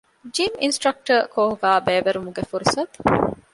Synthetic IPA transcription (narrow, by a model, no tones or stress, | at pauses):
d͡ʒiminsʈɾɐk̚ʈɐkoːɦuɡaːbeːʋɐɾumuɡefuɾusɐt̪u̥